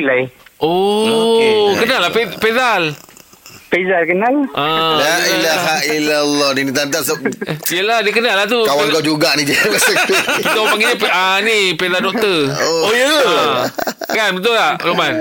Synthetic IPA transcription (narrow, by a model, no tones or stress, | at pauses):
lajʔo | kənalapepezal | pezalkənalalailaɦaʔilalːɔninit̪ant̪asaijəladiəkənalːaht̪ukawaŋɡad͡ʒuɡaʔnid͡ʒəkaakpit̪apaŋɡid͡ʒəpənipezaldɔk̚t̪əoojəə | kanbənt̪̬ʊlaloman